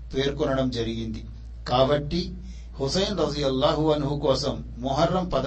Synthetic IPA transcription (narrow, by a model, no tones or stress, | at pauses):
peːɾkɔnɐɽɐmd͡ʒɐɾiɡind̪i | kaːbɐʈːi | husɐjnɾɐd̪ijɐlːaːɦuɐnɦukɔːsɐmːuɦɐɾːɐmpɐd̪